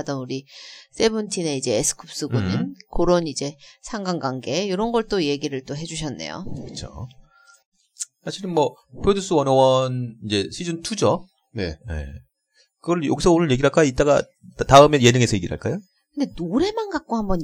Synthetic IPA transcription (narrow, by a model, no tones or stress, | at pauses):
dʌnuɾis͈e̞bɯntʰine̞id͡ʑe̞ːsʰɯ̥kʰup̚s͈ɯɡuɲimkoɾʌnid͡ʑe̞sʰaŋɡaŋɡwaŋɡe̞joɾʌnɡʌɭt͈oje̞ɡiɾɯɭt͈oɦe̞d͡ʑuɕ̬ʰʌnːe̞̰jo̰kɯ̥t͡ɕʰo̰ | sʰaɕʰiɾɯnmwʌ | pʰodus͈ɯwʌnʌwʌnind͡ʑe̞ɕʰid͡ʑʌntʰud͡ʑʌ | nḛje̞̰ | kɯɡʌɭjʌ̰ɡisʰʌonɯɭje̞ɡiɾɦaɭk͈ait̚t͈aɡa | taɯmeje̞dɯŋe̞sʰʌjeɡiɾɦa̰ɭk͈ajo | kɯndenoɾe̞manɡak̚k͈ohambʌɲ